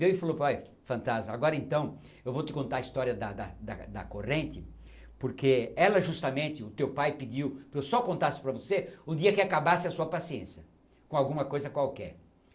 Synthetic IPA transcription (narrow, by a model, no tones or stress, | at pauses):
vewɪfaloaj | fɐ̃nt̪azmɐaɡɔɾɐẽnt̪ɐ̃w̃ | ewvot̪ɪkõnt̪aɐist̪ɔɾiɐd̪ɐd̪ɐd̪ɐ̰d̪ɐ̰koʁẽnt̪ɪ | poɾkeɛlɐʒust̪ɐmẽnt̪ɪʊt̪ewpajpɪd͡ʒiwpewsɔkõnt̪asɪ̥pɾɐvoseʊd̪iɐkɪakabasɪɐsuɐpasiẽsjɐ | kõawɡũmɐkojzɐkwawkɛ̰ɾ